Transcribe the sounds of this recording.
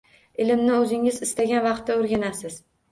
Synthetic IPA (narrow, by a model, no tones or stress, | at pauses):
ɪlɪmnɪɵzɪŋɪzɪst̪aɡʲanvɑqt̪ːaoɾɡʲanasɪz̥